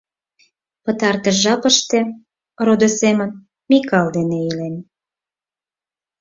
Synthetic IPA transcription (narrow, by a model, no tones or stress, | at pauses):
pə̆t̪ɑrt̪əʒɑpəʃt̪ĕ | rod̪osemən | mikɑld̪eneilen